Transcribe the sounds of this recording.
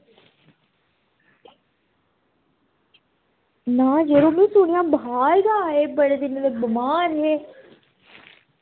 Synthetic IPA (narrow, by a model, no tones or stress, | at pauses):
nãːd͡ʒeɾoːmũsuːñijãːbɦaːɾɡ̪aːeːbɐɽed̪ɪnd̪ebɐmaːɾɦeː